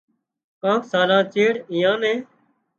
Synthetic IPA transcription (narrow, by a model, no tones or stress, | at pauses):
kãːksaːlãːt͡ʃeːɽĩːjãːnẽː